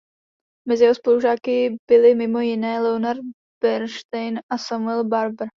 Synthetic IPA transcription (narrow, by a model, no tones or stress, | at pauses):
mɛzɪjɛɦospoluʒaːkɪb̥ɪlɪmɪmo̞jɪnɛːlɛonaɾt̪̚ | bɛɾʃt̪ɛjnʔasamuɛlbaɾbɾ̩